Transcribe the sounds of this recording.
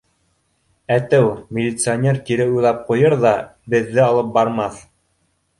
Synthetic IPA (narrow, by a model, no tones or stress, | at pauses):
æt̪ɘwmʲɪlʲit̪sɨonʲeɾkiɾɘujlˠɑp̚qujɤɾðɑbɘ̆ðːɘɑlˠɤp̚bɑɾmɑθ